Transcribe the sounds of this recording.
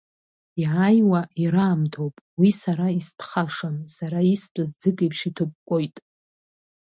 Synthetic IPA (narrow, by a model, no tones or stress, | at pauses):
iʕajwaʔiɾaːmtʰowpʼwisaɾaispʰχaʂansaɾaistʷʼazd͡zɨkʼejpʰʂitʰɨk̚ʷkʷʼojtʼ